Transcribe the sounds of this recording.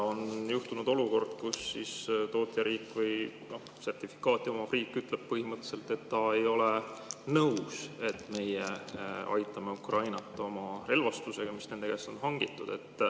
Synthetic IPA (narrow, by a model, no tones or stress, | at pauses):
o̞njuht̪unud̪o̞luko̞rd̪̥kusːist̪o̞ːt̪ˑjɑɾiːkːˑvɤjno̞h | se̞rt̪ifi̥kˑɑːt̪ʲːˑio̞mɑriːkːyt̪ˑle̞b̥̚pɤhimɤt̪ːe̥se̞lt̪ːe̞t̪ːɑe̞jo̞le̞nɤwse̞t̪ːˑme̞jeɑ̰jt̪ːˑɑme̞ukrɑjnɑt̪ːˑo̞mɑre̞lvɑst̪use̞ɡ̥ɑmisne̞nd̪e̞ɡæst̪o̞nɦɑŋɡit̪ːˑud̪̥e̞t̪ː